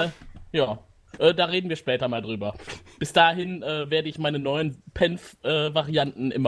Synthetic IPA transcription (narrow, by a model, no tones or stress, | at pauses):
jaː | ʔɛːdaːʁeːdn̩viːɐʃpɛːtɐmaːldʁyːbɐb̥ɪsd̥aːɦɪnʔɛːveːɐdəɪçmaɪnənɔʏənpʰɛnfʔɛːvaʁiantn̩ʔɪmɐ